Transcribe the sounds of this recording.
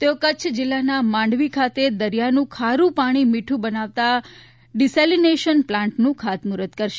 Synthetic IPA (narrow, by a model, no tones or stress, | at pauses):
t̪eokət͡ʃʰəd͡ʒɪlːanamãɳɖʋikʰat̪ed̪əɾijanũkʰaɾũpaɽ̃imiʈʰũbənaʋt̪a | ɖiselineʃənplãɳʈnũkʰat̪muɾət̪kəɾʃe